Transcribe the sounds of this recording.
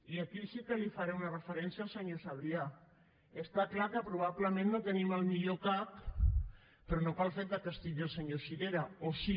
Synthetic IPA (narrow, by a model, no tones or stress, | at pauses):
iakisikəlifaɾeunarəfəɾɛnsjalˠsəɲosaβ̞ɾia | əst̪aklakəpɾuβ̞aβləmẽnːot̪əniməlˠmiʎokap | pɾonokalˠfeɾt̪əkəst̪iʎəlˠsəɲosiɾeɾaoʃi